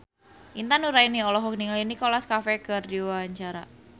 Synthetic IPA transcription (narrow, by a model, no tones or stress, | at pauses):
ʔint̪anuɾainiɔlɔɦɔk̚niŋalinikɔlaskafɛkərdiwaaɲt͡ʃaɾa